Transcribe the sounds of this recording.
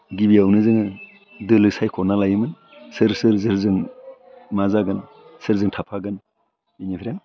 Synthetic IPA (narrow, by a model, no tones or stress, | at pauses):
ɡibiawnɯzɯŋɯ | dɯlɯsajkʰɔnalajɯmɯn | sɯɾsɯɾzɯɾzɯŋ | mazaɡɯn | sɯɾzɯŋtʰapʰaɡɯn | inipʰɾjaŋ